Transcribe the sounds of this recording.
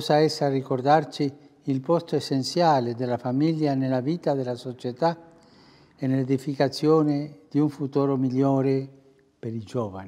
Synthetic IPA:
saesːarikord̪art͡ʃiːlpost̪oesent̪sjaːled̪elafamiljanelaviːt̪ad̪elasot͡ʃet̪a | eneled̪ifikat̪sjoːned̪̥iuɱfut̪oːɾomiʎjoːɾe | peɾid͡ʒoːva̰ni

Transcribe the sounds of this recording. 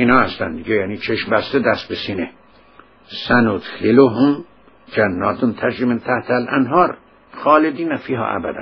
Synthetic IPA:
iːnhɑːhæst̪ænd̪iɡejæːniːt͡ʃʰeʃmbæst̪ed̪æst̪̚besiːne | sænut̪xeloɦum | d͡ʒænːɒːt̪ʰont̪ʰæɾd͡ʒiment̪ʰæht̪ʰælʔæ̰nɦɑːɾ | xɑːled̪iːnæfiːɦɒ̰ːʔæ̰bæ̰d̪æ̰n

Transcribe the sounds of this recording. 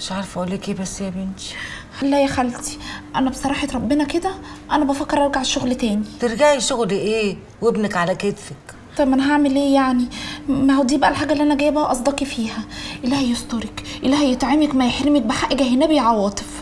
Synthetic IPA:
meʃʕɑɾˤfʔolːikeːbæsːjæbenʃ | hælːæjæxælt̪i̥ʔænæbesˤɑɾˤɑːħet̪ɾˤɑbːenɑked̪æʔænæbæfækːeɾˤɑɑɡaʕeʃːoɣlt̪æːnit̪eɾɡaʕiʃoɣliʔeː | webnækʕalæket̪sæk | t̪ɑbmʔænæɦaʕmelʔeːjaʕnimæhod̪iːbæʔælħaːɡælːiʔænæɡæjːæbæʔæʔɑsˤd̪ɑkifiːhæʔelːæhæjest̪ˤɑɾekʔelːæhæjet̪ʕemekmæjeħɾemæk̚beħaʔeɡæɦenæbiʕɑwɑːt̪ˤef

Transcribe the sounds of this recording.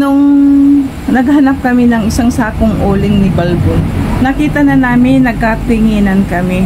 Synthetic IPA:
nʊŋ | nɐɡhɐnap̚kɐmɪnɐŋɪsaŋsaːkoŋʔoːlɪŋnɪbɐlbonnɐkiːt̪ɐnɐnaːmɪnːɐɡ̚kat̪ɪŋiːnɐnkɐmɪ

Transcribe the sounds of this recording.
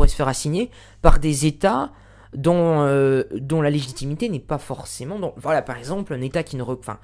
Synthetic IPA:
uʁɛsə̥fɛʁasiɲe | paʁd̪ezet̪a | d̪ɔ̃ød̪ɔ̃laleʒit̪imit̪enɛpafɔʁsemɑ̃d̪ɔ̃vwalapaʁɛɡzɑ̃plɛ̃net̪akʲinəʁə̃fɛ̰̃

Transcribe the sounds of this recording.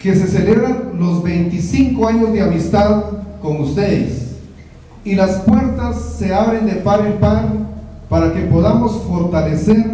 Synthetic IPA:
ke̞se̞se̞le̞βɾanlo̞zβe̞jnt̪isiŋkoaɲozd̪eamist̪aðko̞ŋust̪eðḛs | ilaspwe̞ɾt̪asːe̞aβɾe̞nd̪e̞paɾilpaɾ | paɾake̞po̞ðamo̞sfo̞ɾt̪aleseɾ

